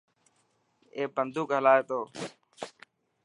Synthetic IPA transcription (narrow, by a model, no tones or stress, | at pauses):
eːbənd̪ʱuːkɦəlaːeːt̪oː